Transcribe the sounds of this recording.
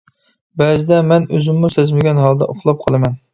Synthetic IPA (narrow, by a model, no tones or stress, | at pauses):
bɛzɪd̪ɛmɛnøzymːusezmɪɡʲɛnɦɑlˠd̪ɛ̰ʔoχlˠɑp̚qʰɑlˠɨmɛn